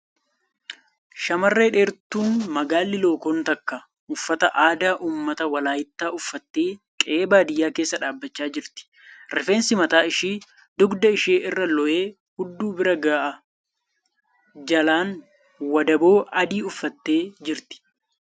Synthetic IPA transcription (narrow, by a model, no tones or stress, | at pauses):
ʃɐmɐrːe̞ːᶑe̞ːɾt̪uːnmɐɡaːlːɪlo̞ːkoːnt̪ɐkːɐ | ʔʊfːɐt̪ɐʔaːd̪aːʔuːmːɐt̪ɐwɐlaːjɪt̪ːaːʔʊfːɐt̪ːeːkʼeːbaːd̪ɪjːaːke̞ːsːɐᶑaːbːɐt͡ʃːaːd͡ʒɪɾt̪ɪ̥ | ɾɛfeːnsɪmɐt̪aːɪʃiː | d̪ʊɡd̪ɐɪʃeːʔɪrːɐlɔʔe̞ː | hʊd̪ːuːbɪɾɐɡaːʔɐ | d͡ʒɐlaːn | wɐd̪ɐbo̞ːʔɐd̪iːʊfːɐt̪ːe̞ːd͡ʒɪɾt̪ɪ̥